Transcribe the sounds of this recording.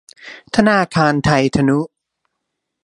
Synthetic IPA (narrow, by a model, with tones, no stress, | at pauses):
t̪ʰa˧naː˧kʰaː˧nt̪ʰa˧jt̪ʰa˧nu˦˥